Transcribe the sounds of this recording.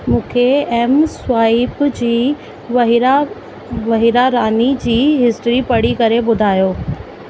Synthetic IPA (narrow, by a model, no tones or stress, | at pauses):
mũːkʰeɛːmswaːipd͡ʑiː | ɐɦɾa | ʋɐɦiɾaɾaːnid͡ʑiːɦɪsʈɾipɐɽikɐɾeɓʊd̪ʱaːjoː